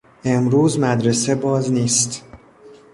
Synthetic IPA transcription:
ʔe̞mɾuːzmæd̪ɾe̞se̞bɒːzniːst̪

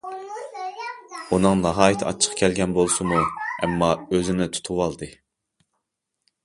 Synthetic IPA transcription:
unɨŋnɨɦɑːjit̪ʰɑ̰t͡ʃʰːə̥qʰkʲʰælɡʲɛnbolˠsumuɛ̰mːɑøzɪnɪt̪ʰu̥t̪ʰuwɑlˠd̪ɨ

